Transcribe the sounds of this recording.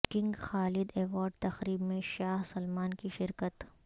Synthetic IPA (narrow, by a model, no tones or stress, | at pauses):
kɪ̃ŋɡxaːlɪd̪eːʋaːɾɖ̚t̪ɐxɾiːbmẽʃaːɦsɐlmaːnkiʃɪɾkət̪